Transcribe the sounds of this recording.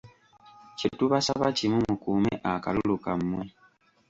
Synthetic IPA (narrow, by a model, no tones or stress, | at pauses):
cituβasaβacimumukuːmḛʔaka̰lulukamːwe